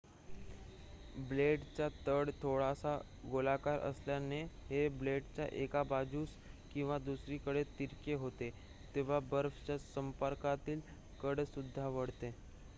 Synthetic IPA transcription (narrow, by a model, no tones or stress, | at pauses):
bleɖt͡ɕjat̪əɽt̪ʰoɽasa | ɡolakaɾʔə̰sljaneɦebleɖt͡ɕja̰ʔekabad͡ʑuːs | kĩw̃ʋad̪usɾikəɽet̪iɾkeɦot̪e | t̪eʋ̤abəɾft͡ɕjasəmpəɾkat̪iːl | kəɽsud̪ʱːaʋəɽt̪e